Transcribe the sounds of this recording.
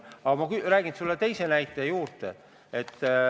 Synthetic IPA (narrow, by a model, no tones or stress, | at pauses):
ɑɡɑmɑkyræːɡ̥insulːet̪e̞jse̞næjt̪ːˑejuːrt̪e | et̪ːˑ